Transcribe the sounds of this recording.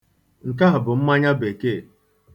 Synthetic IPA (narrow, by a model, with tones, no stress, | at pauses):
ŋ̩˨k̬a˦ɦʊ˨bʊ˨m̩˦ma˦ɲa˦be˨ke˦˨